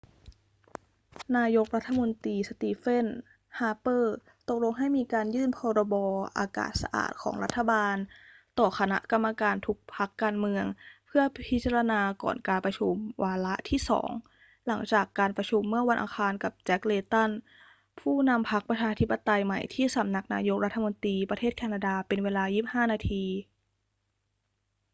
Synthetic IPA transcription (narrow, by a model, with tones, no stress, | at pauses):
naː˧jo˦˥k̚la˦˥t̪ʰːa˧mo˧nt̪iː˧sa˧t̪iː˧˩fe˥˩n | haː˧pɤː˥˩ | t̪o˨˩k̚lo˧ŋɦa˥˩jmiː˧kaː˧njɯː˥˩npʰɔː˧ɾɔː˧bɔː˧ʔa̰ː˧ka̰ː˨˩t̪̚sa̰˧ʔa̰ː˨˩t̪̚kʰɔ̰ː˩˦ŋla˦˥t̪ʰːa˧baː˧nt̪ɔː˨˩xʰa˧na̰˦˥ʔka˧mːa˧kaː˧nt̪ʰu˦˥k̚pʰa˦˥kːaː˧nmɯ˧əŋpʰɯ˥˩ɐpʰi˦˥t̪̚t͡ɕa˧ɾa˧naː˧kɔ̰ː˨˩nkaː˧npɾa˧t͡ɕʰu˧mwaː˧la˦˥ʔt̪ʰiː˥˩sɔ̰ː˩˦ŋ | la̰˩˦ŋt͡ɕaː˨˩kːaː˧npɾa˧t͡ɕʰu˧mːɯ˥˩ɐwa˧nʔa̰ː˧xʰaː˧nka˨˩p̚t͡ɕɛ˦˥k̚leː˧t̪a˥˩n | pʰuː˥˩na˧mpʰa˦˥k̚pɾa˧t͡ɕʰaː˧t̪ʰi˦˥pːa˧t̪a˧jma˨˩jt̪ʰiː˥˩sa˨˩˦mna˧˩k̚na̰ː˧jo˦˥k̚ɾa˦˥t̪ʰːa˧mo˧nt̪ɾiː˧pɾa˧t̪ʰeː˥˩t̪̚kʰɛː˧naː˧daː˧pe˧nweː˧laː˧jiː˥˩p̚haː˥˩naː˧t̪ʰiː˧